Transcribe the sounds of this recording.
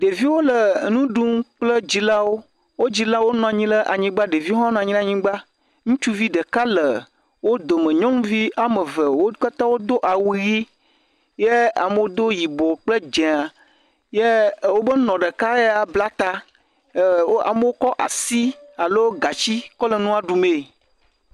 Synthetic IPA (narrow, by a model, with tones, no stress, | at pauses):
ɖe˨vi˦wo˦lə˨nũ˦ɖu˦mk͡plə˦d͡ʑi˦la˦wo˦ | wo˦d͡ʑi˨la˦wo˦nɔ̃˨a˨ɲĩ˦lə˦ʔa˨ɲĩ˦ɡ͡ba˦ɖe˨vi˦ɦɔ˦nɔ̃˨a˨ɲĩ˦la˨ɲĩ˦ɡ͡ba˦ | ŋũ˦t͡ʃu˦vi˦ɖə˨ka˦lə˨ | wo˦d̪o˨mə̃˨ɲɔ̃˦m˦vi˦a˨mə˨və˨wo˦ka˦t̪ã˦wo˦d̪o˦ʔa˨wu˦ɣi˦ | je˦a̰˨mə˦wo˦d̪o˦ji˨bo˨k͡plə˦d͡ʒɛ̃˨a˨ | je˦wo˦bə˦nɔ̃˨ɖə˨ka˦e˦a˨bla˦t̪a˦˨ | wo˦a̰˨mə˦wo˦kɔ˦ʔa̰˨si˦a˨lo˦wo˦ɡa˨t͡ɕi˦kɔ˦lə˨nũ˦a˨ɖu˨me˨